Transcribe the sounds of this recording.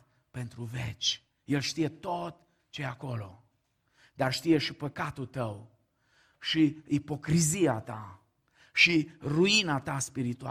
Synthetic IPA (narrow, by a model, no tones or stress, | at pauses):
pe̞nt̪ɾuvet͡ʃʲ | jelʃt̪ije̞t̪o̞t̪ | t͡ʃejako̞lo̞̰ | d̪arʃt̪ije̞ʃipəkat̪ult̪əw | ʃiipo̞kɾiziat̪a̰ | ʃiruinat̪aspiɾit̪ua